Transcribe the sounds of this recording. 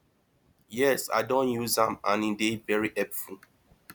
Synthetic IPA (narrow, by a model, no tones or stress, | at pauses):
jɛsa̰ɪdõnjuzãmãnĩdevɛɹiʔɛpfu